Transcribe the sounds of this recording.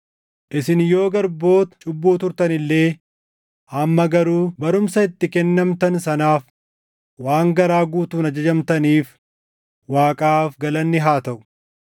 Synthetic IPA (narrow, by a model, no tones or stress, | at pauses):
ʔɪsɪnjo̞ːɡɐɾbo̞ːt̪t͡ʃʼʊbːuːt̪ʊɾt̪ɐnɪlːe̞ː | ʔɐmːɐɡɐɾuːbɐɾʊmsɐɪt̪ːɪkɛnːɐmt̪ɐnsɐnaːf | waːŋɡɐɾaːɡuːt̪uːnɐd͡ʒɐd͡ʒɐmt̪ɐniːf | waːkʼaːfɡɐlɐnːɪɦaːt̪ɐʔʊ̥